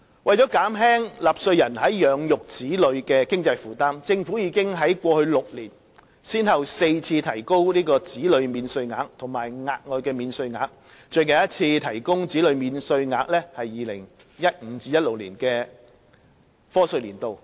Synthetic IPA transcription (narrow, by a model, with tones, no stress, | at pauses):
wɐ˨˩jt͡sɔː˨˥kaː˨˥mɦɛː˥ŋlaː˨˩p̚sɵ˧ɥjɐ˨˩nhɐ˨˥jːœː˨˧˥ŋjʊ˨k̚t͡siː˨˥lɵ˨˧ɥkɛː˧kɪ˥ŋt͡sɐ˧jfuː˨˧t̪aː˥mt͡sɪ˧ŋfu˨˥jiː˨˧kɪ˥ŋɦɐ˨˥jkʷɔː˧hɵ˧ɥlʊ˨k̚liː˨˩n | siː˥nhɐ˨wse˧jt͡sʰiː˧t̪ʰɐ˨˩jko˥wliː˥kɔː˧t͡siː˨˥lɵ˨˧ɥmiː˨˧nsɵ˧ɥŋa̰ː˨˧k̚t̪ʰʊ˨˩ŋmaː˨˩jŋaː˧t̚ŋɔː˨˧jkɛː˧miː˨˧nsɵ˧ɥŋa̰ː˨˧k̚ | t͡ʃɵ˨˧ɥka˨˩jɐ˥t̚t͡sʰiː˧t̪ʰɐ˨˩jkʊ˥ŋt͡siː˨˥lɵ˨˧ɥmiː˨˧nsɵ˧ɥŋaː˧k̚lɛː˥hɐ˨jːiː˨lɪ˨˩ŋ | jɐ˥t̚ŋ̩˨˧˥t͡siː˧jɐ˥t̚lʊ˨k̚lḭː˨˩nkɛː˧ | fɔː˥sɵ˧ɥliː˨˩nt̪o˨w